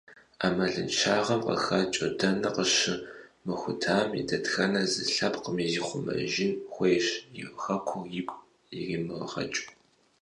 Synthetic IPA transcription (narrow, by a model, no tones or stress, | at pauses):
aːmɐɮɨnʃʰaːʁɐmqɐ̰xɐt͡ʃʼɐdɐnɐqəɕɨmɨxʷʊtʰaːmjḭdɐtxɐnɐzɨɬɐpqəmiziχʷʊmɐ̰ʒɪnxʷejʃjɪxɐkʷʰʊjɪkʷʼ | jɛɣimɨʁʁɐ̰t͡ʃʼ